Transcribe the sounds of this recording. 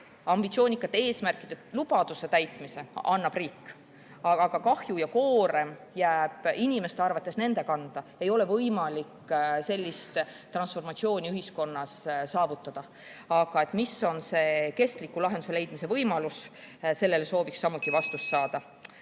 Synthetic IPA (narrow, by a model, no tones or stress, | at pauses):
ɑmb̥it̪sioːnʲikːˑɑt̪ːˑee̞ːsmærkˑid̪̥e̞lub̥ɑd̪̥use̞t̪æjt̪mise̞ʔɑnːɑb̥riːkːˑ | ɑɑɡ̥ɑkɑhjujɑko̞ːɾe̞m | jæːb̥inime̞st̪e̞ɑrvɑt̪ːˑe̞sne̞nd̪̥e̞kɑnd̪̥ɑe̞jo̞le̞vɤjmɑlikse̞lʲːist̪t̪ːrɑnsfo̞rmɑt̪ʲsio̞ːnʲiyɦisko̞nːɑssɑːvut̪ːˑɑd̪̥ɑ | ɑɡ̥ɑe̞t̪ˑmiso̞nse̞ːke̞st̪likːˑulɑɦe̞nd̪̥use̞le̞jd̪mise̞vɤjmɑlusse̞lːe̞leso̞ːviksːɑmːut̪ːˑivɑst̪ust̪sɑːd̪̥ɑ